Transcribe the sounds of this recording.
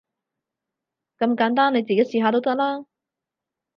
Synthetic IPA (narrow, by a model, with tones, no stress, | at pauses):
kɐ˧mkaː˨˥nt̪aː˥nːe˨˧jt͡siː˨ke˨˥jsiː˧ɦaː˨˧t̪o˥wt̪ɐ˥k̚laː˥